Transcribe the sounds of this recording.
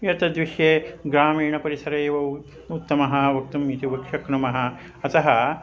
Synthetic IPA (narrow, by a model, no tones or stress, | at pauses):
jɐt̪ɐd̪ʋiʃjeːɡɾaːmiːɳɐpɐɾisɐɾɐːʋɐw | ut̪ːɐmɐɦɐʋɐk̚t̪umiːt̪iʋɐkʂɐknɐmɐɦɐ | ɐt̪ɐɦɐ